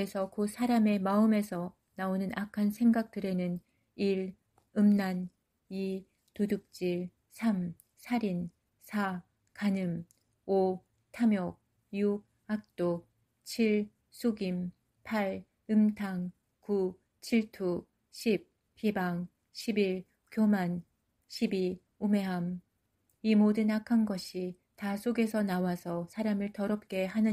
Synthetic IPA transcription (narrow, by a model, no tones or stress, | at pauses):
esʰʌkosʰaɾame̞maɯme̞sʰʌ | naonɯnʔakʰansʰe̞ŋɡak̚t͈ɯɾe̞nɯn | iɾ | ɯmnan | i | tuduk̚t͡ɕ͈iɭ | sʰam | sʰaɾin | sʰa | kanɯm | o | tʰamjʌk̚ | ju | ak̚t͈ok̚ | t͡ɕʰiɭ | s͈ʰoɡim | pʰaɾ | ɯmtʰaŋ | ku | t͡ɕʰiɭtʰu | ɕʰip̚ | p͈ibaŋ | ɕʰibiɭ | kjoman | ɕʰibi | ume̞ɦam | imodɯnakʰanɡʌɕʰi | tasʰoɡe̞sʰʌnawasʰʌsʰaɾamɯɭtʌɾʌp̚k͈e̞ɦanɯ